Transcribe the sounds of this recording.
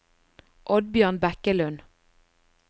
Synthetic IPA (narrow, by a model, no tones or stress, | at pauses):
ʔɔd̪̚bjøːʁnbækəlʉn